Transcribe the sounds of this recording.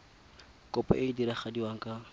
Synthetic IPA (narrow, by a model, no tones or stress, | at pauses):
kʼɔpʼa̰ʔɪdiɾaχadiwaŋ̩kʼa